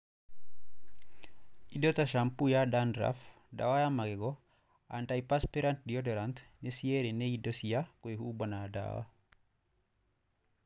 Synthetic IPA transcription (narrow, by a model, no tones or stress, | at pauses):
ʔidotaʃampujadandɾa̰f | da̰wajamaɡeɡɔ | ʔantajpaspeɾant̚diodoɾantnesieɾeneidosijakoehuːbonada̰ːwa̰